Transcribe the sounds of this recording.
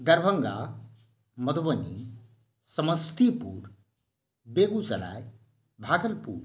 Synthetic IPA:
d̪əɾbʱəŋɡa̰ | mʌd̪bənḭ | səməst̪ipṵɾ | beɡut͡sɐ̰la̰j | bʱaɡəlpṵɾ

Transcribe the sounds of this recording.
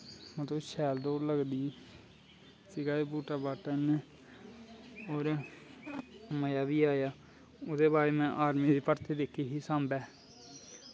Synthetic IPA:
mət̪əʃʰɛːld̪oːɾləɡd̪iː | sɪɡaːeːbuːʈaːbaːʈaneː | oːɾ | məjaːbiːaːjaː | ʊd̪eːbaːɾeːmɛ̃ːʔaːɾmiːd̪eːpəɾt̪eːd̪eːkʰiːɦiːsãːmbɛː

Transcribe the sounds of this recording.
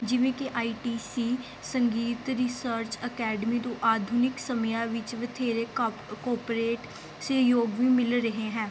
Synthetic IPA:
d͡ʒɪʋẽːkeʔaːiːʈiːsiː | səŋɡiːt̪ɾisəɾt͡ʃəkɛːɖmiːt̪õːʔaːd̪ʱuːnɪksəməjãːʋɪt͡ʃʋət̪ʰeːɾeːkɔːɾpɾeːʈ | sejoːɡʋĩːmɪlɾəɦeːɦɛ̃ː

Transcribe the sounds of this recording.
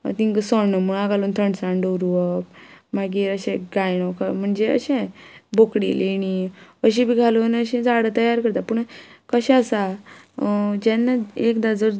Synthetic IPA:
t̪ĩŋkəsɔnəmuɳ̃aɡalunt̪ʰəɳsãɳɖəɾuʋəp̚maɡiːɾəɕẽɡajnɔkam̤əɳd͡zeə̰ɕẽbokɽiliñiəɕ̬ĩbʱiɡʱaloənəɕɛ̃d͡zaɽət̪əjaɾkəɾt̪apuɳ̃kəɕɛ̃əsa | d͡ʑɛ̃nːaekd̪ad͡zəɾ

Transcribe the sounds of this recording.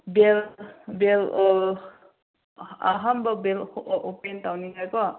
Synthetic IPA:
belbel | a̰ɦambabelʔopentawnikajkɔ

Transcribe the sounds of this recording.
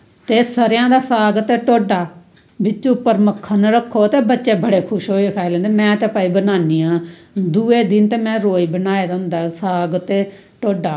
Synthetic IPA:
t̪eːsəɾjãːd̪aːsaːɡət̪eːʈoːɖaː | bɪt͡ʃːt͡ʃʊpːəɾməkʰːənɾəkʰːoːt̪eːbətːʃeːbəɽeːkʰʊʃɦoːiːɪkʰaːilɛ̃ːnd̪eːmɛ̃ːt̪ɛ̃ːpaːiːbənaːniːãː | d̪uːeːd̪ɪnt̪eːmɛ̃ːɾoːiːbənaːed̪ə̃ːnd̪aːsaːɡət̪eː | ʈoːɖaː

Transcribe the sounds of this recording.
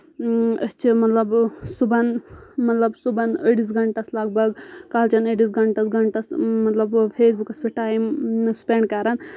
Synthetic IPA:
əst͡ʃʰimɐt̪lɐbsubɐnmɐt̪lɐbsubɐnəʈis̬ɡʱɐɳʈɐslaːɡ̚bɐɡkaːlt͡ʃɐnəʈis̬ɡɐɳʈɐsɡɐɳʈɐsmɐt̪lɐbpʰeːs̬bukɐspʰiʈaːimsu̥peɳɖ̚kaɾɐn

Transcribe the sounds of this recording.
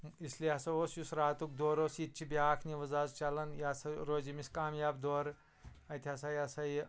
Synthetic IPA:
isliasɐoːsjusɾaːt̪uk̚d̪oːɾoːsit̪̚t͡ʃʰibʲaːkʰniʋɐzaːzt͡ʃɐlɐnjasɐɾoːzimiskaːmjaːbd̪oːɾ | ɐt̪ʰʲiɐsɐjasɐj

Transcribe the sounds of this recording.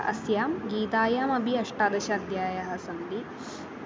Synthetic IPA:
ɐ̰sjaːmɡiːt̪aːjaːmɐbʱiɐʂʈaːd̪ɐʃɐɐd̪ʱjaːjɐɦɐsɐnd̪i

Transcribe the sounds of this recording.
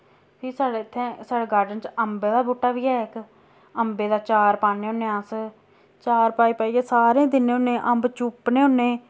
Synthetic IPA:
pʰiːsaːɽeːɪt̪ʰːẽːsaːɽeːɡaːɾɖənt͡ʃəmbeːd̪aːbuːʈːaːʋiːɦɛːɪk | əmbeːd̪aːt͡ʃaːɾpaːneːɦʊnːẽːəs | t͡ʃaːɾpaːiːpaːiːeːsaːɾẽːd̪ɪnẽːʊnːẽːʔə̃mbt͡ʃʊpneːʊnːẽː

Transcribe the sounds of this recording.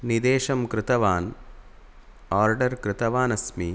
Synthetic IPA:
nid̪eːʂɐmkɾɪt̪ɐʋaːn | aːɾɖɐɾkɾɪt̪ɐʋaːnɐsmi

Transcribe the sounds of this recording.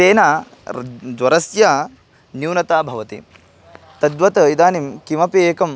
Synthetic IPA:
seːnaː | d͡ʒ̪ʋɐɾɐsjaː | njuːnɐt̪aːbʱɐʋɐt̪ḭ | t̪ɐd̪ʋɐt̪ɐid̪aːnimkimɐpeːkɐm

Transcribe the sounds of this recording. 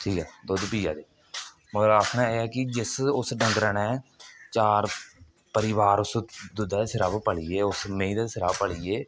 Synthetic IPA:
ʈʰiːkɛːd̪od̪piːja̰ːd̪eː | məɾaːkʰɳaːeːɛːkɪd͡ʒɪsʊsɖə̃ŋɡɾənɛːt͡ʃaːɾ | pəɾɪʋaːɾʊsd̪ʊd̪aːsɪɾaːbpəɭiːeːʊsmẽːiːd̪aːsɪɾaːbpəɭiːeː

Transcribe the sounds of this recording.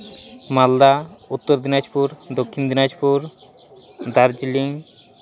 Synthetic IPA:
mald̪aut̪ːoɾd̪inad͡ʒpuɾd̪okʰːind̪inad͡ʒpuɾ | d̪aɾd͡ʒliŋ

